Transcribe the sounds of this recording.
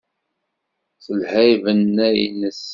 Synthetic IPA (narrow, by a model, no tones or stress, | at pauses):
θəlhæjvənːæjnəs